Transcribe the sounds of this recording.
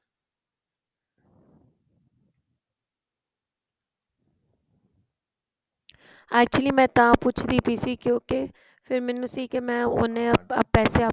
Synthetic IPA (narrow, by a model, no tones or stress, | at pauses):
ɛːk̚t͡ʃuəliːmɛ̃ːt̪ãːpʊt͡ʃʰd̪iːpiːsiːkjõːke | pʰɪɾmɛːnːũːsiːkemɛ̃ːʊnẽːəːɛːseːə